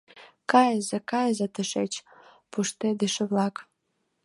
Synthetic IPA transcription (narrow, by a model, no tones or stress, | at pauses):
kɑjəzĕkɑjəzət̪əʃet͡ɕ | puʃt̪ed̪eʃə̆βlɑk